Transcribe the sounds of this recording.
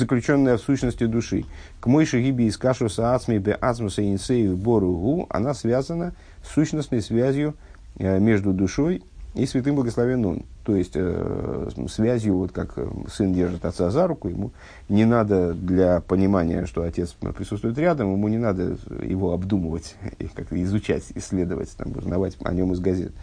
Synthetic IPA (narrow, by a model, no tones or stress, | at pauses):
zəklʲʉt͡ɕo̞nːəjəfsuɕnəsʲtʲɪd̪ʊʂɨ | kmojʂɨɣʲibʲɪːskaʂʊsəat̪smʲɪbʲɛʔat̪smʊsəɪnʲɪsejvʲɪboɾʊɣuɐ̰nasvʲazənə | sːuɕnəsnəjsvʲæzʲjʊ | mʲe̞ʐd̪ʊd̪ʊʂo̞j | isvʲɪt̪ɨmblˠəɡəslˠɐvʲeno̰n | t̪o̞jɪsʲtʲ | svʲæzʲjʊvo̞t̪kaksɨndʲe̞rʐɨt̪ɐt̪sazaɾʊkʊjɪmu | nʲɪnad̪əd̪lʲapənʲɪmanʲɪ̰jə̰ʂt̪o̞ɐtʲe̞t̪spɾʲɪsut̪st̪vʊjɪt̪ɾʲad̪əmjɪmunʲɪnad̪əjɪ̰vo̞ɐbd̪uməvətʲḭkakt̪əɪzʊt͡ɕæ̰tʲɪsʲːlʲe̞d̪əvə̰tʲt̪a̰mṵznɐvatʲɐ̰nʲo̞mɨzɡɐzʲe̞̰t̪